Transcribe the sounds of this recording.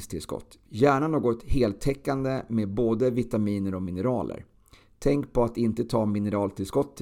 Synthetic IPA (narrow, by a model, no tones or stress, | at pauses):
st̪ʰɪlskɔ̰t̪ːjæːɳanoːɡɔt̪heːlt̪ʰɛkːand̪əmeːd̪̚boːd̪əvɪt̪amiːnəɾɔmɪnəɾɑːlʔə̰ɾ | t̪ʰɛŋkpʰɔat̪ɪnt̪ət̪ʰɑːmɪnəɾɑːlt̪ʰɪlskɔt̪ʰː